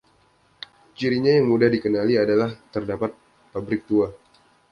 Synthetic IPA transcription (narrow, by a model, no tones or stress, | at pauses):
t͡ʃiɾiɲajaŋmudahdikənaliadalaht̪ərdapat̪̚ | pabɾɪk̚t̪ua